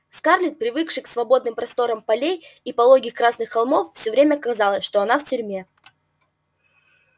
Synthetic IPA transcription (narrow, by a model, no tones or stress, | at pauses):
skarlʲɪt̪̚pɾʲɪvɨkʂɨksvɐbo̞d̪nɨmpɾɐst̪o̞ɾəmpɐlʲejipɐlˠo̞ɡʲɪkɾasnɨxːɐlˠmo̞fːsʲɵvɾʲemʲəkɐzalˠəsʲʂt̪o̞ɐnaftʲʏɾʲmʲe